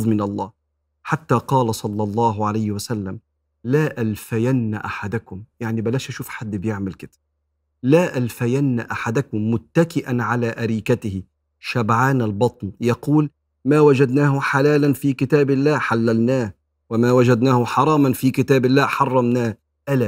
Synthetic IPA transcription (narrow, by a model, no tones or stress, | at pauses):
ðˤmɪnɑlˤːɑːh | ħat̪ːaːqɑːlasˤɑlːɑlˤːɑːɦʕalajhɪwasalːam | laːʔalfajanːa̰ʔaħad̪akʊmjaʕnibalaːʃʔaʃuːfħad̪ːbɪjɪʕmɪlkɪt̪ḁb | laːʔalfajanːaʔaħad̪akʊmːʊt̪ːakɪʔanʕalaːʔaɾiːkat̪ɪhɪ | ʃabʕaːnalbɑt̪ˤnjɑquːl | maːwad͡ʒad̪naːhʊħalaːlanfiːkɪt̪aːbɪlːaːħalːalnaːh | wɪmaːwad͡ʒad̪naːhʊħɑɾˤɑːmanfiːkɪt̪aːbɪlːaːħɑrˤːɑmnaːh | ʔalaː